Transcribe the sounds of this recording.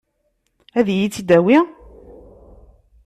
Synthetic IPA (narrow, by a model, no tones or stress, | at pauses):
æðjit͡sːid̪æwi